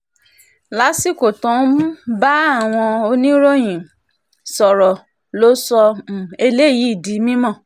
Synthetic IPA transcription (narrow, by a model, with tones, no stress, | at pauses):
la˨˦si˦˨ko˨tɔ̃˨˦ba˦a˦˨w̃ɔ̃˧o˧nĩ˦ɾo˦j̃ĩ˨ | sɔ˨ɾɔ˨ | lo˦sɔ˧m̩˨e˧le˦˨ji˨˦i˦˨di˨˦mĩ˦mɔ̃˦˨